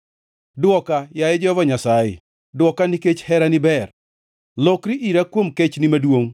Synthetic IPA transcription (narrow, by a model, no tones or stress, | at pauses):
dwɔkajajɛd͡ʒɔvɔɲasajɪ̰ | dwɔkaniket͡ʃhɛɾanɪbɛr | lɔkɾiʔiɾakwomket͡ʃnɪmadwoŋ